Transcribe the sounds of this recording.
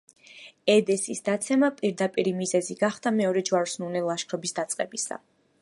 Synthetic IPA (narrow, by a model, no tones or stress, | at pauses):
ɛd̪ɛsisd̪at̪sʰɛmapʼiɾd̪apʼiɾimizɛziɡaχd̪amɛɔɾɛd͡ʒwaɾsnunɛlˠaʃkʰɾɔbisd̪at̪sʼqʼɛbisa̰